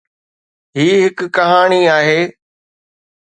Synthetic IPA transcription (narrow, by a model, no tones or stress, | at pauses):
ɦiːɦɪkkɐɦaːɽ̃iaːɦeː